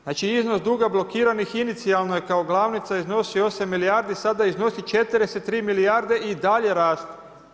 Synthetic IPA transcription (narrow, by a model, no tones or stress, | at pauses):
naːt͡ʃiiznosd̪uːɡablˠo̞kiːɾanixinit̪sialˠno̞jekaoɡlˠaːʋnit̪saizno̞sio̞samːilijaɾd̪isad̪aizno̞sit͡ʃet̪ɾeset̪ːɾiːmiliaɾd̪e̞ʔid̪aʎe̞ɾaːst̪